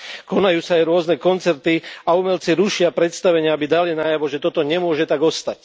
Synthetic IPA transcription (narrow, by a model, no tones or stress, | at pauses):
kɔnajuːsaːjɾʊɔznɛkɔnt͡sɛɾt̪iaumɛlt͡siɾuʃɪapɾɛt̪st̪aʋɛɲɪaabid̪alinaːjaʋɔʒɛt̪ɔt̪ɔɲɛmʊɔʒɛt̪aɡɔst̪ac